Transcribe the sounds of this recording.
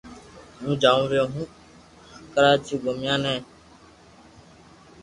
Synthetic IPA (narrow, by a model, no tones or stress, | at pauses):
ɦũːd͡ʒaːũːɾjoːɦũː | kəɾaːt͡ʃiːɡʱomɪjãːnɛ̃ː